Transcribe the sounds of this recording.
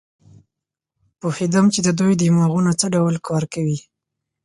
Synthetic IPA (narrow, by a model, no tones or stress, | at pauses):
pofid̪amt͡ʃed̪əd̪ujd̪imɑɣunat͡səɖawlkʰɑɾkawi